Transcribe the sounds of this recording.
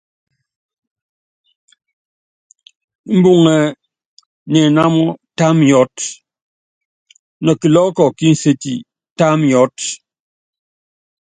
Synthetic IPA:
m̩˦bu˦ŋɛ˨ | nɛ˨na˦mɔ˦ta˦mjɔ˦t | nɔ˨ki˨lɔː˦kɔ˨ki˦n̩˨se˦tḭ˨ | ta˦mjɔ˦t

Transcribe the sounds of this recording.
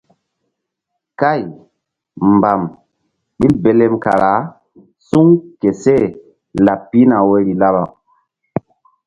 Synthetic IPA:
ka˦˨j | mba˨m | ɓi˦be˦le˦mka̰˨ɾa˨˦ | su˦ŋke˨se˦˨ | la˨pːi˦na˨wo˦ɾi˨la˦ba˨

